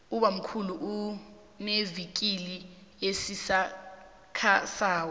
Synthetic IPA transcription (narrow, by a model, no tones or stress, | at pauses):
uɓam̩kʰuluʔu | nevik̬ʼili | jesisa | kʰasaːwɔ